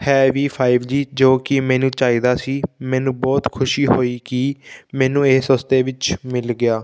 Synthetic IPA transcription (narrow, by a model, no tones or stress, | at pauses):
hɛːʋiːpʰaːɪʋd͡ʒiːd͡ʒoːkɪmɛ̃ːnũːt͡ʃaːiːd̪aːsiːmɛːnũːbɔːt̪kʰʊʃiːɦoːiːkimɛːnũːeːsəst̪eːʋɪt͡ʃmɪlɡɪjaː